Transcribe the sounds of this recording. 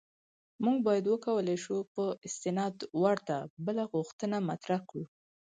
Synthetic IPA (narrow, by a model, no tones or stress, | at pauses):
muŋɡbɑjad̪wəkawəlajʃupəɪst̪ɪnɑd̪waɽt̪abəlaɣuxt̪ənamat̪ɾahkɽu